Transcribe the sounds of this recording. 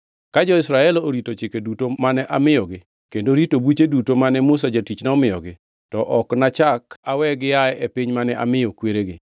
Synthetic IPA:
kad͡ʒɔɪsɾaɛloɾitot͡ʃɪkedutomanɛʔamɪjɔɡɪ | kendoɾitobut͡ʃedutomanɛmʊs̬ad͡ʒatit͡ʃnaɔmɪjɔɡɪ | tɔʔɔknat͡ʃakawɛɡɪjaɛepɪɲmanɛʔa̰mɪjɔkweɾeɡɪ̰

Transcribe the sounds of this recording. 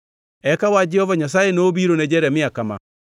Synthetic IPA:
ɛkawad͡ʒɛhɔvaɲas̬aeneoβiɾoned͡ʒɛɾɛmiakama̰

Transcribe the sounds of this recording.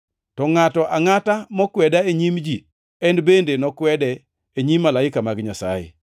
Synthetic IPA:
tɔŋatɔʔaŋatamɔkwɛdaeɲimd͡ʒi | ɛnbendenɔkwɛdɛ | eɲimːalaɪkamaɡɲasa̰jḛ

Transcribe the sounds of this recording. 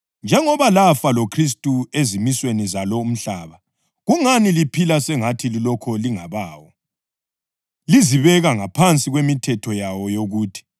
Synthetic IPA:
nd͡ʒʱɛŋɔβalafalokʰris̬tʼuezimiswenizalɔum̩ɬaːβa | ɣuŋanilipʰilasɛŋatʰililɔkʰɔliŋaβaːwɔ | liziβɛɣaŋapʰant͡sʼiɣwemitʰɛtʰɔjawɔjoɣuːtʰi̥

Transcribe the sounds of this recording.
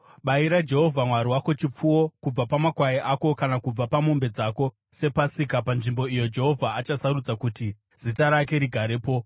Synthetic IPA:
ɓaiɾad͡ʒe̞ɦo̞vʱamwaɾiwako̞t͡ʃip͡fuwo̞kub͡vapamakwaiʔako̞kanakub͡vapamo̞mbe̞d͡zako̞ | se̞pasikapanʐimbo̞ijo̞d͡ʒe̞ɦo̞vʱaːt͡ʃasaɾud͡zakuti | z̥itaɾake̞ɾiɡʱaɾeːpo̞

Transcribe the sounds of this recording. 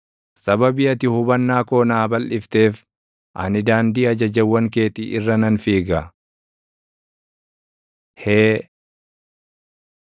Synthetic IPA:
sɐbɐbiːɐt̪ɪhʊbɐnːaːko̞ːnaːbɐlʔɪft̪e̞ːf | ʔɐ̰nɪd̪aːnd̪iːɐd͡ʒɐd͡ʒɐwːɐŋke̞ːt̪iʔɪrːɐnɐnfiːɡɐ | heː

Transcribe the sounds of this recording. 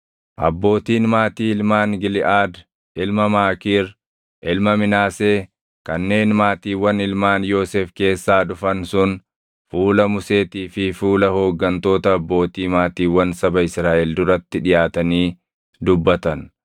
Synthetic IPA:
ʔɐ̰bːo̞ːt̪iːnmaːt̪iːɪlmaːnɡɪlɪʔaːd̪ | ʔɪlmɐmaːkiːɾ | ʔɪlmɐmɪnaːseː | kɐnːe̞ːnmaːt̪iːwɐnɪlmaːnjo̞ːseːfke̞ːsːaːᶑʊfɐnsʊn | fuːlɐmʊse̞ːt̪iːfɪfuːlɐho̞ːɡːɐnt̪o̞ːt̪ɐːbːo̞ːt̪iːmaːt̪iːwɐnsɐbɐɪsɾaːʔɛld̪ʊɾɐt̪ːɪᶑɪjaːt̪ɐniː | d̪ʊbːɐt̪ɐn

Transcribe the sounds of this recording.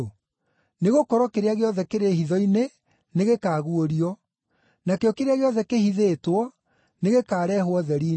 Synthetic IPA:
neɣokɔɾɔkeɾeaɣeɔðɛkeɾehiðɔine | neɣekaːɣuoɾiɔ | nakeɔkeɾeaɣeɔðɛkehiðeːtwɔ | neɣekaːɾɛːɦwɔðɛɾiː

